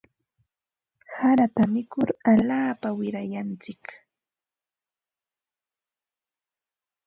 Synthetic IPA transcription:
haɾat̪amɪkʊɾaʎaːpawɪɾajant͡sɪk

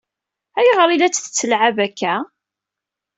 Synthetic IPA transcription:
æjʁəɾˤilæt͡sːθə̥t͡sːəlʕavækːæ

